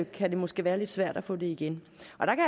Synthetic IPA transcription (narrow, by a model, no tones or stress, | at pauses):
kʰæd̥e̝mɒ̽sɡ̥e̝ːʋæːɐle̝d̥sʋæɐ̰d̥æfɔ̰̽ːd̥e̝iɡ̥enʔɒ̽d̥ɑ̈kʰæ